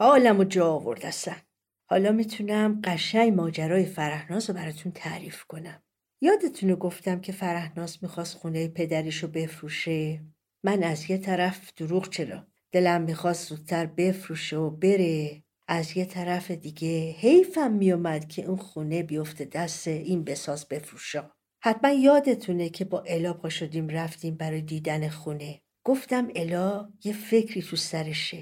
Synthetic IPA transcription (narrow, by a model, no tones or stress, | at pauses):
ɒːlæmod͡ʒɒːvo̞̰ɾd̪æst̪æn | hɒːlɒːmiːt̪ʰunæmɢæʃæɲmɒːd͡ʒæɾɒːjefæɾæhnɒːsobæɾɒːt̪ʰunt̪ʰæɾiːfkʰo̞næm | jɒːd̪e̞t̪ʰunoɡo̞ft̪æmcʰe̞fæɾæhnɒːsmiːxɒːst̪xunejepʰe̞d̪æɾiːʃobe̞fɾuːʃe | mænæzje̞t̪ʰæɾæfd̪̥uɾuːɣt͡ʃʰe̞lɒ̰ | d̪̥e̞læmːiːxɒst̪z̥uːd̪̚ʰt̪ʰːæɾbe̞fɾuːʃeobe̞ɾe̞ | ʔæzje̞t̪ʰæɾæfe̞d̪iɡe̞he̞jfæmːijomæd̪̥cʰe̞ʔunxune̞bijo̞ft̪ʰe̞d̪æst̪einbe̞sɒːzbe̞fɾuʃɒ | hæt̪̚mænjɒːd̪e̞t̪ʰunecʰe̞bɒːʔe̞lɒːpʰoʃod̪iːmɾæft̪iːmbæɾɒːjed̪iːd̪æne̞xune̞ | ɡ̥o̞ft̪æme̞lɒje̞fe̞cʰɾiːt̪ʰusæɾeʃe